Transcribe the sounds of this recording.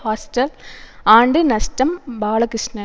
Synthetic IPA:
haːsʈɐlaːɳɖɨnɐstɐmbaːɭɐkɾiʂnɐ

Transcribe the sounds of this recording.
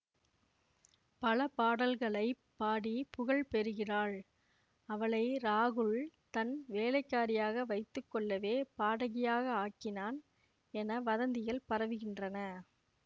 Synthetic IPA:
pɐlɐpaːɽɐlɣɐɭɐɪpːaːɽipʊɣɐɭpɛɾɯɣɪraːɭ | ɐʋɐɭɐɪɾaːɣɯɭt̪ɐnʋeːlɐɪkːaːɾɪjaːɣɐʋɐɪt̪ːɯkːɔɭːɐʋeːpaːɽɐɣɪjaːɣɐaːkːɪnaːn | ɛnɐʋɐðɐnd̪ɪjɐɭpɐɾɐʋɯɣɪndrɐnɐ

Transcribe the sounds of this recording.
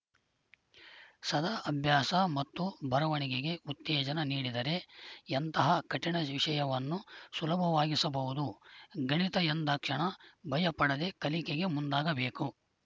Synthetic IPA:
sɐd̪ɐʔɐbʱjaːsɐmɐt̪ːubʱɐɾɐʋɐɳiɡeɡe̞ut̪ːɛːd͡ʒɐnɐniːɽid̪ɐɾe̞ent̪ɐɦɐkɐʈiɳɐʋiʂɐjɐʋɐnːusulɐbʱɐʋaːɡisɐbɐʋud̪uɡɐɳit̪ɐjɐnd̪ɐkʂɐɳɐbʱɐjɐpɐɽɐd̪e̞kɐlikeɡe̞mund̪aːɡɐbeːku

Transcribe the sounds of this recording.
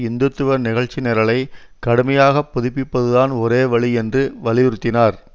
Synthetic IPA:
ɪnd̪ɯt̪ːɯʋɐɾnɪɣɐɻt͡ʃːɪneːɾɐlɐɪ | kɐɽɯmɐjaːɣɐpːʊðɪpːɪpːɐðɯðaːnɔɾeːʋɐɭiɛndrɯʋɐɭɪjɪɾɯt̪ːɪnaːɾ

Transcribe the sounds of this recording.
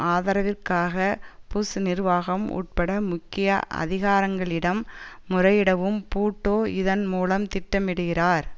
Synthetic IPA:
ʔaːðɐɾɐʋɪrkaːɣɐpuːsɯnɪrʋaːɣɐmṵːʈ̚pɐɽɐmʊkːɪjɐ̰ʔɐ̰ðɪɣaːɾɐŋɡɐɭɪɽɐmːʊrɐjɪɽɐʋɯmpuːʈːoːɪðɐnmuːlɐmt̪ɪʈːɐmɪɽɯɣɪraːɾ

